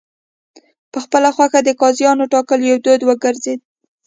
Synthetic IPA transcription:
pəxpəlaxwaxad̪əkɑzjɑnoʈɑkəljawd̪od̪wəɡəɾzed̪̚

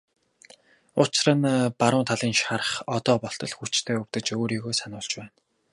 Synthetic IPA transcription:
ʊt͡ɕɪ̆rə̆npaɾʊːnt̪ʰaɮiːnʃaɾə̆χɔt̪ɔːpɔɬt̪ɞ̆ɮxut͡ɕt̪ʰeːɵw̥t̪ɘ̆t͡ɕoːɾiːɣoːsanʊːɮt͡ɕpæːn

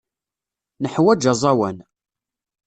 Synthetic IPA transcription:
nəħwæd͡ʒɑzˤɑwæn

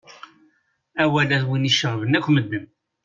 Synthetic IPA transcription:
æwælæðwiniʃəʁvənækʷːməd̪ːən

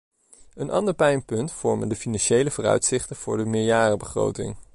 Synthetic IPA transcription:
ənʔɑ̰ndəɹpɛjnpɵntfɔɹməndəfinɑnʃejləvʊːrœ̰ɥtsɪχtənv̥ʊːɹdəmɪːɹjaːrəbəχro̰wtɪ̰ŋ

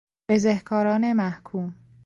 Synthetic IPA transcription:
b̥ezehkʰɒːɾɒːnemæhkʰuːm

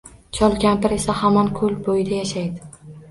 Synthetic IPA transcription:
t͡ʃʰɒlˠkʲʰampɪɾe̞sahamɒnkʰʊlbojɪd̪ajaʃajd̪ɪ

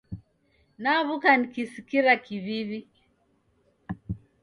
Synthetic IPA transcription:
naβukanikisikiɾakiβiβi

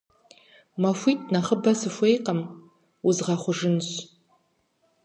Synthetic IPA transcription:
mɐfʷitʼnɐχəbɐsɨfʷejqʼɐm | uzʁɐχʷʊʐɨnɕ

